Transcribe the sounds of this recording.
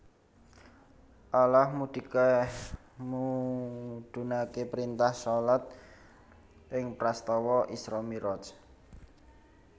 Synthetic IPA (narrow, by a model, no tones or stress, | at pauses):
ʔalahmud̪̥i̤ka | mu | d̪̥ṳnakepɾint̪ahsɔlat̪̚ | ʔɪŋpɾast̪ɔwɔʔisɾɔmiɾɔt͡ʃ